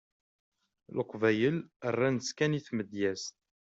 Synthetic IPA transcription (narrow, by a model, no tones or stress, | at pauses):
ləqvæjələrˤːænəskæniθməd̪jæs